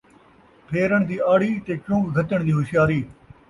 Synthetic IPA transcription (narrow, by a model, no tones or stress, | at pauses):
pʰeːɾəɳd̪iːaːɽiːt̪eːt͡ʃʊ̃ːkɡʱət̪əɳ̃d̪iːɦʊʃɪjaːɾiː